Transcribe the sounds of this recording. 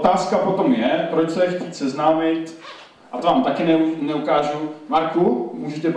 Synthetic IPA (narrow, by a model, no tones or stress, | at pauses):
t̪aːskapo̞t̪o̞mjɛpɾot͡ʃsɛjɛxciːt̪sɛznaːmɪt̪ | ʔat̪ovaːmt̪akɪnɛnɛukaːʒumaɾkumuːʒɛt̪ɛp